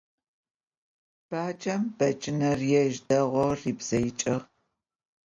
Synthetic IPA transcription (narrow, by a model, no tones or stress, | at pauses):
b̥aːt͡ʃʼɐmb̥ɐt͡ʃʼɪnɐrjɛʒdɐʁʷɔriːbz̥ɐjɪt͡ʃʼɪʁ